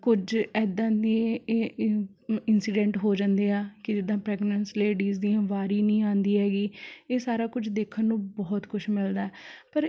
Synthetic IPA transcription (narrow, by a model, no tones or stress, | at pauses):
kʊd͡ʒɛːd̪ãːd̪iẽ | ɪnsiːɖɛ̃ːɳʈɦoːd͡ʒãnd̪eːaːkɪd͡ʒɪd̪ãːpɾɛːɡnənsleːɖiːzd̪iːãːʋaːɾiːnĩːãːnd̪iːɦɛːɡiːeːsaːɾaːkʊd͡ʒd̪eːkʰːənːũːbɔːt̪kʊʃmɪld̪aːɛːpəɾ